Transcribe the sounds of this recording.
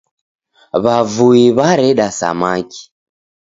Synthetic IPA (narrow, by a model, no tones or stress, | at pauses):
βavuiβaɾɛɗasa̰maki̥